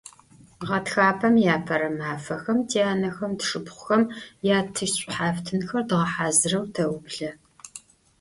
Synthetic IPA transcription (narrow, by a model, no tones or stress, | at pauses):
ʁɐtxaːpʰɐmjaːpʰɐɾɐmaːfɐxɐmtʰeːaːnɐxɐmtɨʂɨpχʷʊxɐmjaːtʰɨʃɕʼʊħaːftʰɨnxɐrdɨʁɐħaːzɨrɐwtʰɐwbɮɐ